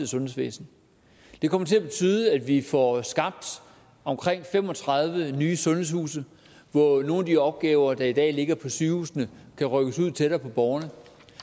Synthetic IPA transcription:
ð̩ˠsɔ̽nhesʋḛːsn̩ | d̥e̝kʰɒ̽m̰ɐt͡sʰe̝æb̥e̝t͡sʰyːð̞ˠəæd̥ʋifɒsɡ̥ɑ̈b̥̚d̥ | ɒ̽mkʰʁeŋ̰fem̰ɒ̽t͡sʰʁɑ̈ð̞ˠʋənyːsɔ̽nheshṵːsə | ʋɒno̝ːnd̥iɒ̽b̥̚ɡ̥ɛːʊɐd̥ɑ̈id̥ɛ̰ːle̝ɡ̥ɐpʰɒ̽syːhuːsnə | kʰæʁœɡ̥əsuð̰ˠt͡sʰeɾ̥ɐːpʰɒ̽b̥ɒːɐnə

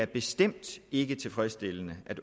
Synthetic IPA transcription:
æɐb̥e̝sd̥em̰d̥e̝ɡ̥ət͡sʰe̝lfʁɛsd̥e̝lənəʔæd̥

